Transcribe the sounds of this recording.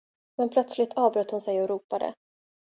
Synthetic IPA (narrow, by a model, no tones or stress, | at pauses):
mɛnpʰlœt̪slɪt̪ʰɑːvbɾœːt̪ːhʊnsɛjɔɾuːpad̪ə̰